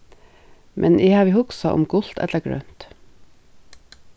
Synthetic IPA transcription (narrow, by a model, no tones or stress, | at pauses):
mʔɛnʔeːhɑːʋiːhʊksɑʔʊ̰mɡʊl̥t̪ɛ̰t̪ləɡɹœ̰ːnt̪